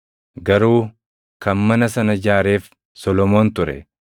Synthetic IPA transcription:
ɡɐɾuː | kɐnmɐnɐsɐnɐd͡ʒaːɾe̞ːf | sɔlɔmo̞ːnt̪ʊɾɛ̰

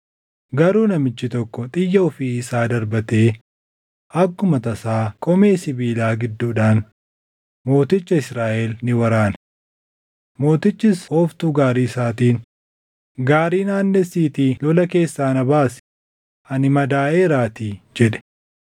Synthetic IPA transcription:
ɡɐɾuːnɐmɪt͡ʃːɪt̪ɔkːɔt̪ʼɪjːɐɔfiɪsaːd̪ɐɾbɐt̪eː | ʔɐkːʊmɐt̪ɐsaːkʼɔmeːsɪbiːlaːɡɪd̪ːuːᶑaːn | mo̞ːt̪ɪt͡ʃːɐɪsɾaːʔeːlnɪwɐɾaːn | mo̞ːt̪ɪt͡ʃːɪshoːft̪uːɡaːɾiːsaːt̪iːn | ɡaːɾiːnaːnːɛsiːt̪iːlɔlɐke̞ːsːaːnɐbaːs | ɐnɪmɐd̪aːʔeːɾaːt̪iːd͡ʒɛᶑɛ̥

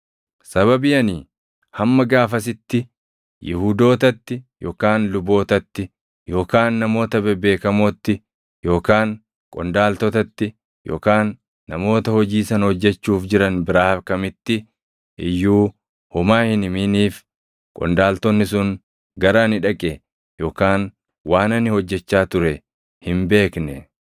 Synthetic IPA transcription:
sɐβɐbɪjɐniː | hɐmːɐɡaːfɐs̬ɪt̪ːɪ | jɪhuːd̪o̞ːt̪ɐt̪ːɪjo̞ːkaːnlʊbo̞ːt̪ɐt̪ːɪ | jo̞ːkaːnːɐmo̞ːt̪ɐbɛbe̞ːkɐmoːt̪ːɪ | jo̞ːkaːŋ | kʼɔnd̪aːlt̪ɔt̪ɐt̪ːɪ | jʔo̞̰ːkaːnː | ɐmo̞ːt̪ɐhɔd͡ʒiːsɐnhɔd͡ʒːɛt͡ʃːuːfd͡ʒɪɾɐnbɪɾaːkɐmɪt̪ːɪ | ʔɪjːuː | hʊmaːhɪnɪmiːniːf | kʼɔ̰nd̪aːlt̪ɔnːɪs̬ʊŋ | ɡɐɾanɪᶑɐkʼɛ | jo̞ːkaːn | waːnɐnːɪhɔd͡ʒːɛt͡ʃːaːt̪ʊɾɛ | hɪmbe̞ːknɛ

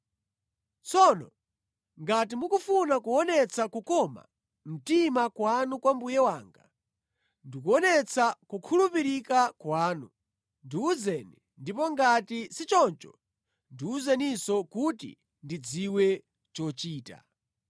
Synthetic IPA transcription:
t͡sɔnɔ̰ | ŋɡat̬imukufunakuɔnɛt͡sʰakukɔma̰ | m̩timakwanukwambujɛwaːŋɡa | ndikuɔnɛt͡sʰakukʰulupiɾikakwaːnu | ndiuzɛni | ndipɔŋɡatisit͡ʃɔnt͡ʃɔ | ndiuzanisɔkutḭ | ndid͡ziwɛ | t͡ʃɔt͡ʃiːta̰

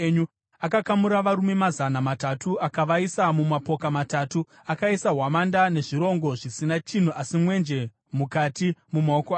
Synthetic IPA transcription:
ɲu | akakamuɾaʋaɾume̞mazanamatatʰuʔakaʋaisamumapo̞kamatatu | akaisaɦwamandane̞ʐiɾo̞ŋɡo̞ʐisinat͡ʃin̤uʔasimwe̞nd͡ʒe̞ | mukatimumaokoaː

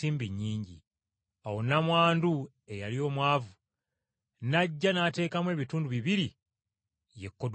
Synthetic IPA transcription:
iːmbiɲːiːɲɟi | awonamwaːndu | e̞jalio̞ːmwaːvu | naɟːanate̞ːkamwe̞ːβituːnduβiβiɾi | jekːod

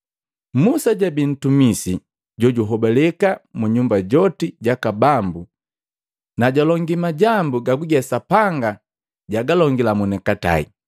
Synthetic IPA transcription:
musaɟabin̩tumisi | ɟɔɟuɦɔbɛlɛkamuɲumbaɟɔtiɟakabambu | naɟalɔŋɡimaɟambuɡaɡuɡɛsapaŋɡa | ɟaɡalɔŋɡilamunɛkata̰ḭ

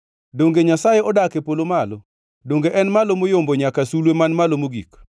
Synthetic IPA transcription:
doŋɡeɲasajeɔdakepolomalɔ | doŋɡeʔɛnmalomojomboɲakasulwemanmalomoɡḭk

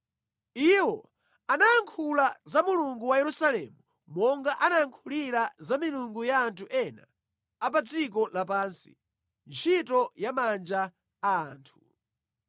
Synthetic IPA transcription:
iwɔ̰ | anaːŋkʰulazamuluŋɡuwajɛɾusalɛmu | mɔŋɡaʔanaaŋkʰuliɾazamiluŋɡujaːntʰuʔɛna̰ | ap̬ad͡zik̬ɔlapansi̥̰ | nt͡ʃʰitɔjamand͡ʒa | aaːntʰu̥

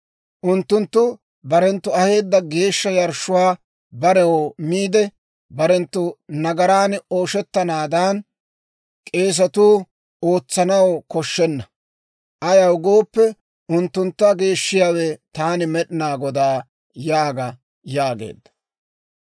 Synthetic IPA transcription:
ʔʊnt̪ːʊnt̪ːʊ | bɐɾɛnt̪ːʊɐhe̞ːd̪ːɐɡe̞ːʃːɐjɐɾʃʊwaː | bɐɾɛwomiːd̪ɛ | bɐɾɛnt̪ːʊnɐɡɐɾaːno̞ːʃɛt̪ːɐnaːd̪an | kʼe̞ːs̬ɐt̪uː | o̞ːt͡sːɐnɐwkɔʃːɛnːɐ | ʔɐjɐwɡo̞ːpːɛ | ʊnt̪ːʊnt̪ːɐɡe̞ːʃːɪjaːwɛt̪aːnɪmɛɗɪnaːɡɔd̪aː | jaːɡɐ | jaːɡḛːd̪ːɐ̥

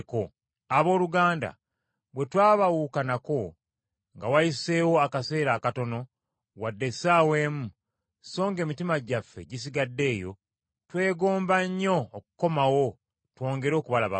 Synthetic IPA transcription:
ko | aβo̞ːluɡaːnda̰ | βwe̞twaːβawuːkanako̞ | ŋɡawajise̞ːwo̞akase̞ːɾaːkato̞no̞ | wadːe̞saːwe̞ːmu | so̞ːŋɡe̞ːmitimaɟafːe̞̰ɟis̬iɡadːe̞ːjo̞̰ | twe̞ːɡo̞ːmbaɲːo̞ːku̥ko̞mawo̞ | two̞ːŋɡe̞ɾo̞ːkuβalaβa̰

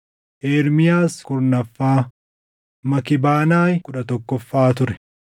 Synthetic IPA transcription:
ʔeːɾmɪjaːskʊɾnɐfːaː | mɐkɪbaːnaːjkʊᶑɐt̪ɔkːɔfːaːt̪ʊɾɛ̥

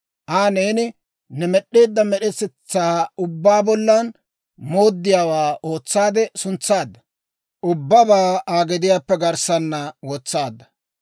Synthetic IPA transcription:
ʔaːneːnɪ | nɛmɛɗːe̞ːd̪ːɐmɛɗɛsɛt͡sːaːʊbːaːbɔlːɐn | moːd̪ːɪjaːwaːʔo̞ːt͡sːaːd̪ɛsʊnt͡sːaːd̪ːɐ̥ | ʔʊbːɐbaːaːɡɛd̪ɪjaːpːɛɡɐɾsɐnːɐwɔt͡sːaːd̪ːɐ̥

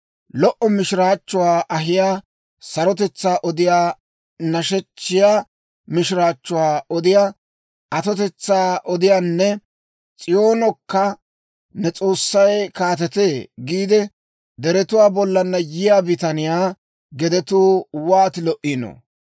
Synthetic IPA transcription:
lɔʔɔmɪʃɪɾaːt͡ʃːʊwaːʔɐɦɪjaː | sɐɾɔt̪ɛt͡sːaːʔɔd̪ɪjaː | nɐʃɛt͡ʃːɪjaː | mɪʃɪɾaːt͡ʃːʊwaːɔd̪ɪjaː | ʔɐt̪ɔt̪ɛt͡sːaːʔɔd̪ɪjaːnːɛ | t͡sʼɪjoːnɔkːɐ | nɛt͡sʼo̞ːsːɐjkaːt̪ɛt̪eːɡiːd̪ɛ | d̪ɛɾɛt̪ʊwaːbɔlːɐnːɐjɪjaːbɪt̪ɐnɪjaː | ɡɛd̪ɛt̪uːwaːt̪ɪlɔʔɪnɔ̰

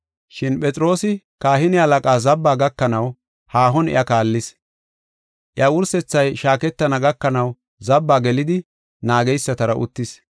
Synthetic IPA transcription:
ʃɪnpʼɛt͡sʼɪɾo̞ːsɪ | kaːhɪnɪɐlɐkʼaːzɐbːaːɡɐkːɐnɐw | haːɦɔnɪ̰ʔɐkaːlːɪs | ʔɪjɐwʊɾsɛt͡sːɐjʃaːkɛt̪ːɐnɐɡɐkːɐnɐw | zɐbːaːɡɛlɪd̪ɪ | naːɡɛjsːɐt̪ɐɾɐʔʊ̰t̪ːɪs

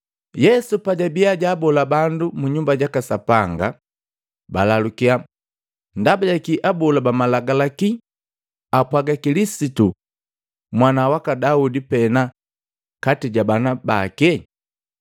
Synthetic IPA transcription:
jɛsupaɟabiaɟaːbɔlabandumuɲumbaɟakasapaŋɡa̰ | balalukia | ndabaɟakiʔabɔlabamalaɡalaki | apwaɡakilisitu | mwanawakadaudipɛna | katiɟabanabakɛ

